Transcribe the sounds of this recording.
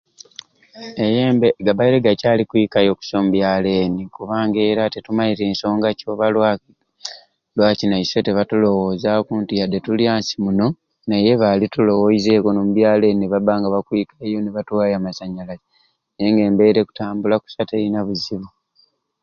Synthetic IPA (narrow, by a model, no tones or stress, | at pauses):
ejeːmbeɡaβaiɾeɡacaːlikuikajo̞ku̥somubjaːle̞ːnikuβaːŋɡe̞ːɾatetumaiɾe̞ːnso̞ːŋɡaco̞ːβala | lwaːcinaise̞teβatulo̞woːzakuːntiade̞tuljaːnsimuno̞ | naje̞βalitulo̞woize̞ko̞nomuβjaːle̞nineβabaːŋɡaβakwikajo̞neβatwaːjamasaɲalae | ejeŋɡe̞ːmbe̞ɾe̞ku̥taːmbulaku̥sate̞inaβuziβu